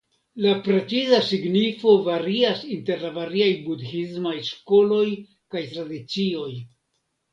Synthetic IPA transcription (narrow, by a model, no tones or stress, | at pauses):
lapɾe̞t͡sizasiɡnifo̞vaɾiasinte̞ɾlavaɾiajbudhizmajʃko̞lo̞j | kajtɾadit͡sio̞j